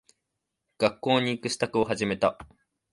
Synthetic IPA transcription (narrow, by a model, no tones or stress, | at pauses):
ɡ̥akːo̞ːɲ̟iːkɯ̟ɕi̥t̪akɯ̟o̞ɦaʑime̞t̪a